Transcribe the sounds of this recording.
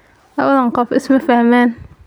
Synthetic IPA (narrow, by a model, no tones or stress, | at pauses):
ʔawːalænqɑːfʔɪsmæfaʕmaːn